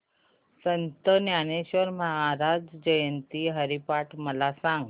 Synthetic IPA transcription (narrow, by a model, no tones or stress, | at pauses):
sənt̪ənjañeɕʋəɾməɦaɾad͡zd͡ʑəjənt̪iɦəɾipaʈʰməlasãŋɡ